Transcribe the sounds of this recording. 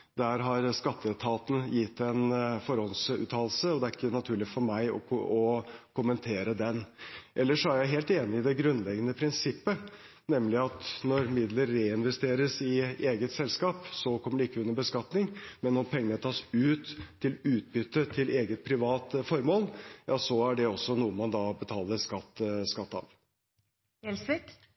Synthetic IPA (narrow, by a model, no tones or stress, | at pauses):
d̪æɾɦɑɾskɑt̪ːət̪ʰɑːt̪n̩jɪt̪ːɛnfɔɾɔlsʉ̰ːt̪ʰɑːllsəɔd̪ɛæɾɪkːənɑt̪ʰʉːɭɪfɔɾmæɪɔ̰ɔkʊmənt̪ʰeːɾəd̪ɛnʔɛlːəʂɔæɾjæɪɦeːlt̪eːnɪɪd̪ɛɡɾʉnlɛɡənəpʰɾɪnsɪpːə | nɛmlɪɑt̪nɔɾmɪd̪ləɾːeːɪnʋɛst̪eːɾəsɪeːɡət̪sɛlskɑːpsɔkʰɔmːəɖɛɪkːəʉnːəbəskɑt̪nɪŋmɛnːɔmpʰɛŋːənət̪ʰɑːsʉːt̪ʰːɪlʉːt̪̚bʏt̪ːət̪ʰɪleːɡət̪̚pʰɾɪʋɑːt̪fɔɾmoːljɑːsɔæɖɛɔsːɔnuːəmɑnd̪ɑːbət̪ʰɑːləɾskɑt̪ːskɑt̪ːɑ̰ʋ | ɛlsɪ